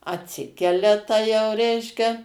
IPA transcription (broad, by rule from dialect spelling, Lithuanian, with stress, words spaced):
ɐtʲˈsʲɪkʲɛlʲɛ ˈtɐ jɛʊ ˈrʲɛɪʃʲkʲɛ